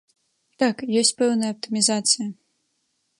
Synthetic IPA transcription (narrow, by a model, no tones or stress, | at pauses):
t̪akjɔsʲt͡sʲpɛwnɐjɐp̚t̪ɨmʲizat̪sɨjɐ